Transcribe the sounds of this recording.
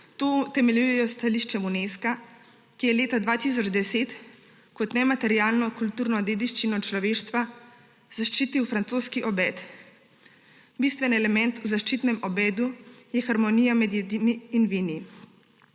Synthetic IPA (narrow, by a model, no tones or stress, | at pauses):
t̪oːt̪ɛmɛljujɛjɔst̪aliʃt͡ʃɛmuneska | kijɛleːt̪ad̪ʋat̪is̬ɔd͡ʒd̪ɛseːt̪ | kɔt̪nɛmat̪ɛɾiaːlnɔkult̪uːɾnɔd̪eːd̪iʃt͡ʃinɔt͡ʃlɔʋeːʃt̪ʋa | zaʃt͡ʃiːt̪iwfɾant̪soːskiʔɔbɛːt̪ | bist̪ʋɛnɛlɛmɛnt̪uzaʃt͡ʃiːt̪nɛmɔbɛːd̪ujɛxaɾmɔnijamɛd̪jɛd̪imiːnʋini